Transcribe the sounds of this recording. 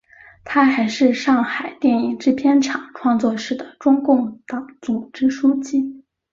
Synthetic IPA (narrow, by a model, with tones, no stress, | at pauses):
t̪ʰa˥xa˧˥ɪʂɻ̩˥˧ʂɑ˥˩ŋxa˨˩ɪt̪jɛ˥˩ni˨˩ŋʈ͡ʂɻ̩˥˩pʰjɛ˥nʈ͡ʂʰɑ˨˩˦ŋʈ͡ʂʰwɑ˥˧ŋt͡swɔ˥˧ʂɻ̩˥˩d̪ə˩ʈ͡ʂʊ˥ŋkʊ˥˩ŋt̪ɑ˧˥ŋt͡sʊ˨˩ŋʈ͡ʂɻ̩˥ʂu˥t͡ɕi˥